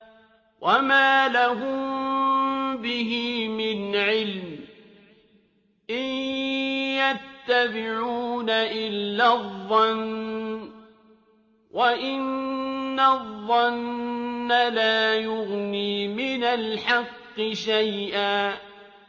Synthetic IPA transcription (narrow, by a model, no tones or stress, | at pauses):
wʔamaːlaɦʊm | bɪɦimɪnʕɪlm | ʔɪj | jat̪ːabɪʕuuːnaʔɪlːaðˤːɑn | wʔaʔɪnː | aðˤːɑnː | alaːjʊɣniːmɪnalħɑqːɨʃajʔaː